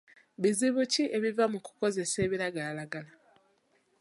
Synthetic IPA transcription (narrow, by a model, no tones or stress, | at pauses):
βiziβuciʔe̞βivamuku̥ko̞ze̞se̞ːβiɾaɡalalaɡala